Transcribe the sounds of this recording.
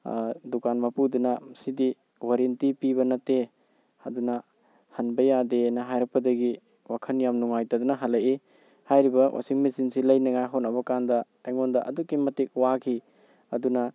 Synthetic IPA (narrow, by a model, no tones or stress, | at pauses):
dukanmapudunasidi | waɾintipiβɐnɐte | ɐdunɐ | hɐnbɐjadenɐɦajɾɐk̚pɐdɐɡi | wakʰɐnjamnuŋajtadunɐɦalaji | hajɾibɐwʔa̰siŋmisinsilɐjnɐŋajɦɔnɐbɐkandɐ | aŋondɐʔɐ̰dukːimɐtik̚wakʰi | ɐdunɐ